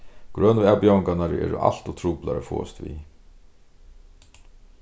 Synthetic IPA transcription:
ɡ̥ɾœːnəɛpjawɪŋkanaɾɛ̰ːɾʊ̰ʔa̰l̥t̪ʊt̪ʰɾuːpla̰ɾəfɔ̰ːɛst̪vi

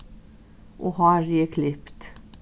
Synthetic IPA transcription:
ʔohɑɾɛkʰlɪpt̪

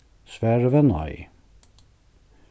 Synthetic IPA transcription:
sʋæːɹʋɛnɑ̰ɪ

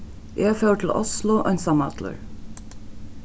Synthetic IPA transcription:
jʔæfœʉʈʰl̩ʔʊ̰slʊʔœ̰nsɑmɑ̰t̪lə̰ɹ

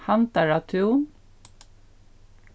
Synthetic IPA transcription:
hant̪aɹat̪ʰun

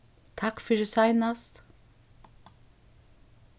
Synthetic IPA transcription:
t̪ʰakfɪɾɪsajnast̪

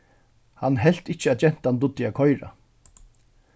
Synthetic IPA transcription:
hanːɦɛl̥t̪ɪt͡ʃːəat͡ʃɛn̥t̪ant̪ʊt̪ːɪakʰɔjɾa̰

